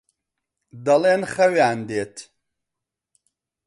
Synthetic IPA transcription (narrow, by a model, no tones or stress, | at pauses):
d̪ɐleːnxɐwjaːnd̪eːt̪